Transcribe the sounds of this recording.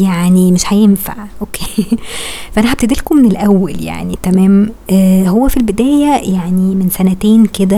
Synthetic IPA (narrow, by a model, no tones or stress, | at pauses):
jaʕnimeʃhæjenfa̰ʕʔokːeː | fæʔænæħæb̚t̪ed̪ilkomːenelʔæwːælja̰ʕnit̪æmæːmʔːɦowːæfilbed̪æːjæjaʕnimensænæt̪eːnked̪æ